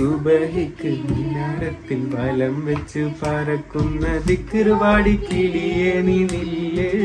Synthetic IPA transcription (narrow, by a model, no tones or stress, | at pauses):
ubɐɦɪkːɯɲaːɾɐt̪ːɪnpaːlɐmʋɛt͡ʃːɯpaːɾɐkːɯmnɐðɪkːɪɾɯʋaːɽikːiːɽijeːniːnɪllːe